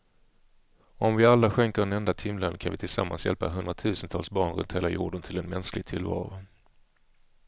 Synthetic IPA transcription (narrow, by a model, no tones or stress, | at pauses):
ɔmvɪalːaɧɛŋkəɖɛnɛnd̪at̪ʰɪmlənkʰanvɪt̪ʰɪlsa̰mːa̰nsjɛ̰lpaɦɵnd̪ɾat̪ʰʉ̟ːsənt̪ʰɑːlsbɑːɳɾɵ̰nt̪heːlajṵːɖənt̪ʰɪlɛnmɛnsklɪɡ̚t̪ʰɪlvɑ̰ːɾʊ